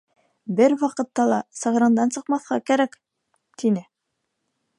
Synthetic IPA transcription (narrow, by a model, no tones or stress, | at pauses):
bɘɾwɑqɤ̆t̪ːɑlˠɑsɤ̆ʁɾɤ̆nd̪ɑnsɤ̆qmɑθʁɑkæɾæk | t̪inɘ